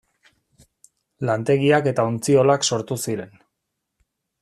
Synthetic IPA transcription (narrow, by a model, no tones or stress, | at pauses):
lant̪e̞ɣiake̞t̪aont͡sio̞lakso̞ɾt̪usiɾe̞n